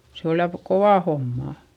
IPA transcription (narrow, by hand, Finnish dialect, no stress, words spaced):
se ol jɑ koʋɑˑ homːɑˑ